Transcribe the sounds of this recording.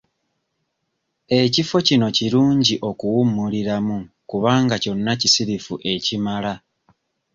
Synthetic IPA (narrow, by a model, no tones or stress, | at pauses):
e̞cifo̞cino̞ciɾuːɲɟiʔo̞kuwumːuliɾamu | kuβaːŋɡaco̞nːacisiɾifuʔe̞cimala